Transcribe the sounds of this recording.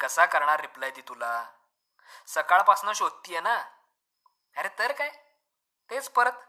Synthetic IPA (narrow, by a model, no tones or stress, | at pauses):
kəsakəɾɳ̃aɾːiplajd̪it̪ula | səkaɭpaksnəɕod̪̚t̪ːiːjena | aɾet̪əɾkaj | t̪et͡spəɾət̪